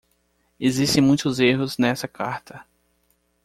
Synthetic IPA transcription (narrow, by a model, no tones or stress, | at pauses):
ezist̪ẽj̃mũj̃t̪ʊzeɦʊznɛsɐkaɾt̪ɐ